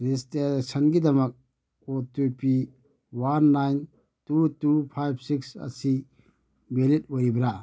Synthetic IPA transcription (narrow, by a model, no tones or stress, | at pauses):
ɾistesɐnɡidɐmɐk̚ | otupi | wanːajn | tutupʰajbsiksɐ̰si | belit̚ojbɾa